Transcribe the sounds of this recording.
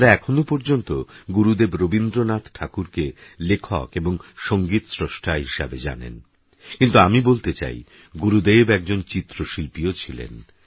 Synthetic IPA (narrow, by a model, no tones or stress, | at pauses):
ɾaɛkʰonopɔɾd͡ʑont̪oɡuɾud̪ebɾobind̪ɾonat̪ʰʈʰakuɾkelekʰɔ̰keboŋʃoŋɡit̪sɾoʃʈʰaɦiʃabed͡ʑa̰nḛn | kint̪uamibolt̪et͡ɕa̰j | ɡuɾud̪ebɛk̚d͡ʑont͡ɕit̪ːɾoʃilpiot͡ɕʰilḛn